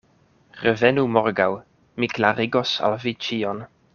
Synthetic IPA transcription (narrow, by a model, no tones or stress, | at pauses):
ɾevenumoɾɡaw | miklaɾiɡosa̰lvit͡ʃion